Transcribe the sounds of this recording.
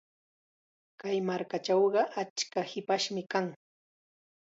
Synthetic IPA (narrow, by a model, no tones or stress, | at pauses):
kajmaɾkat͡ʃɑwɢɑʔat͡ʃkahɪpaʃmɪkaŋ